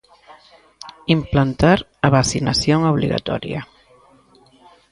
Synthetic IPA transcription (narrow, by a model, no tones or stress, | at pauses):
implant̪aɾ | aβasinasjoŋoβlḭɣa̰t̪ɔ̰ɾja̰